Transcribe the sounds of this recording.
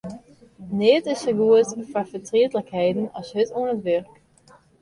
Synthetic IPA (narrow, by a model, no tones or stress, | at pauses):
nɪtɪsəɡuətfafətriətləkhɛjdənɑ̰sɦətuənətʋɛrk